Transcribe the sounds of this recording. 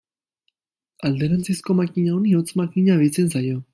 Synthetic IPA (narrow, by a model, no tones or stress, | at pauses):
ald̪eɾant͡sisko̞makiɲaoniot͡smakiɲaβet͡sens̬ajo̞